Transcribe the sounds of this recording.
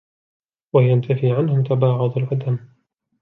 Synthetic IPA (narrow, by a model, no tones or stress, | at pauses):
wajant̪afiːʕanhʊmt̪abɑːʕʊd̪ˤalʔad̪am